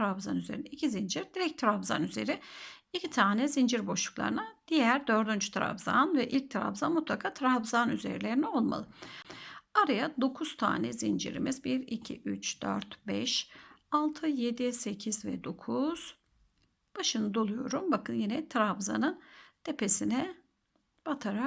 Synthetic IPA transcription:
ɾabzanyze̞ɾinɛicʰizind͡ʒiɾd̪iɾɛc̚t̪ʰɾabza̰nyze̞ɾiicʰit̪ʰaːnɛzind͡ʒiɾbo̞ʃlu̥klˠa̰ɾɯnad̪̥ijæɾd̪ø̞ɾd̪ynd͡ʒy̥t̪ʰɾa̰vza̰nvɛʔilʲc̚t̪ʰɾa̰bzanmut̪lˠakʰaːt̪ʰɾavzanyzḛɾilʲeɾinɛo̞lˠma̰lˠɯ | aɾajad̪o̞kʰuz̥t̪ʰa̰ːnɛ̰zind͡ʒḭɾḭmizbiɾicʰḭʔyt͡ʃd̪ø̰ɾt̪bɛʃalˠt̪ʰɯje̞d̪ise̞cʰizvɛ̰d̪o̞kʰuz̥ | b̥aʃɯnɯd̪o̞lˠujo̞ɾumbakʰɯnjinɛt̪ʰɾavza̰nɯnd̪̥ʰepʰe̞sinɛ | b̥at̪ʰaɾa

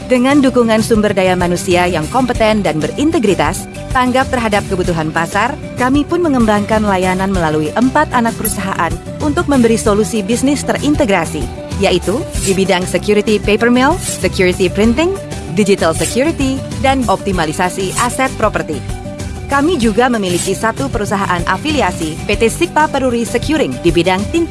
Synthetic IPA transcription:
dəŋandukuŋansumbərdajamanusiajaŋkɔmpət̪ɛndanbərint̪əɡɾit̪a̰s | t̪aŋɡap̚t̪ərɦadap̚kəbut̪uɦanpasar | kamipʊnməŋəmbaŋkanlajananməlaluiʔəmpat̪anak̚pəɾusaɦa̰ʔan | unt̪ʊk̚məmbəɾisolusibisnɪst̪ərʔint̪əɡɾasḭ | jaʔit̪udibidaŋsəkjuɾit̪ipepərmɛlsəkjuɾit̪ipɾint̪ɪŋ | did͡ʒit̪alsəkjuɾit̪idanɔp̚t̪imalisasiʔasɛt̪̚pɾopərt̪i | kamid͡ʒuɡaməmilikisat̪upəɾusaɦaʔanʔafiliasipet̪esipapəɾuɾisəkjuɾɪŋdibidaŋt̪in

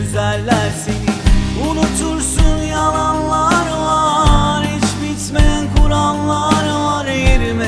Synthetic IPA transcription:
yzælʲːæɾseniunut̪ʰuɾsunjalˠanlˠaɾɯvaɾit͡ʃbit̪meænkʰuɾanlˠaɾɯvaɾejɾimɛ

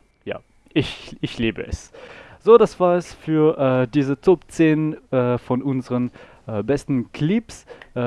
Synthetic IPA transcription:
ja̰ː | ʔɪçɪçliːbəʔɛ̰sz̥oːdasv̥aːɐɛsfyːɐʔɛːdiːzət͡sopt͡seːnəɛːfɔnʊnzəʁən | ʔəːbɛstn̩kʰlɪpsʔ

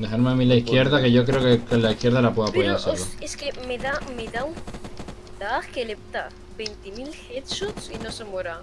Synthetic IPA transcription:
d̪exaɾmeamilaikje̞ɾðake̞ʝo̞k̬ɾeokekelaikje̞ɾðalapweðapoðeɾaseɾloeskemeðameðau | d̪akelep̚t̪a | bent̪emilxet̪sutsinosemoɾa

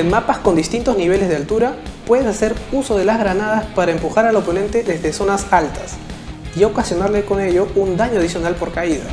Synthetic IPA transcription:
enmapasko̞nd̪ist̪int̪o̞zniβ̞e̞le̞zðealt̪uɾapwe̞ðesase̞ɾuso̞ð̞e̞lazɣɾanað̞aspaɾaempuxaɾalopo̞nẽ̞nt̪e̞ðe̞zðeso̞nasalt̪asiokasjo̞naɾle̞ko̞ne̞ʎo̞und̪aɲoaðisjonalpo̞ɾkaiða̰

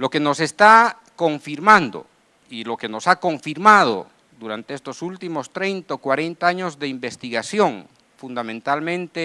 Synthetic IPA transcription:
lo̞ke̞no̞se̞st̪a | ko̞ɱfiɾmãnd̪o̰ | ilo̞ke̞no̞sako̞ɱfiɾmað̞o̰ | d̪uɾant̪eest̪o̞sult̪imo̞st̪ɾe̞jnt̪aokwaɾe̞nt̪aaɲo̞zðe̞imbe̞st̪iɣasjo̞ŋ | fund̪amẽnt̪almẽnt̪e

